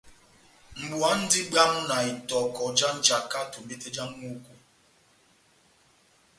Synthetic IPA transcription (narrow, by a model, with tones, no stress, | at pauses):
ŋ͡m̩˨ɡ͡bu˨a˦n̩˦dɪ˦ɡ͡ba˦m̩˦na˨i˨tɔ˨kɔ˨d͡ʒa˦n̩˦d͡ʒa˨ka˦to˨m̩˨be˦te˦d͡ʒa˦ŋ̩˦mu˦ku˨